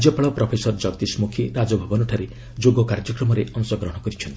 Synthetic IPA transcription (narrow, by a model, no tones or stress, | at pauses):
d͡ʒjɔpaɭɔpɾɔpʰesɔɾd͡ʒɔɡt̪ismukʰiɾad͡ʒɔbʱabɔnɔʈʰaɾe | d͡ʒoɡɔkaɾd͡ʒɔkɾɔmɔɾeʔɔŋsɔɡɾɔɦɔ̃ɽ̃ɔkɔɾit͡ʃʰɔnt̪